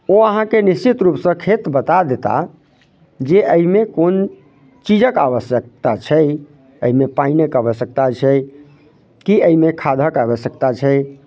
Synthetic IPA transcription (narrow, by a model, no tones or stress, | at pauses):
oəɦãkenist͡ʃit̪ɾupsə̃kʰet̪bət̪ad̪et̪a̰ | d͡ʒeʔəimekon | t͡ʃid͡ʒəkaβəsjək̚t̪at͡ʃʰəj | ə̰imepainəkabəsjək̚t̪at͡ʃʰɛj | kiəimekʰad̪ʱəkaʋəsjək̚t̪at͡ʃʰəj